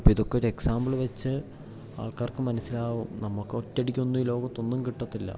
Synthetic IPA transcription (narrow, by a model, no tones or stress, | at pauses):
pːiðo̞kːeoɾe̞ksaːmbɐɭʋet͡ɕːɨ | a̰ːɭkaːrkɨmɐnɐsːilaːʋumnɐmːukːɨo̞tːɐɽikʲːuonːuiːlo̞ːɡɐt̪ːo̞nːumkiʈːɐt̪ːilːɐ̰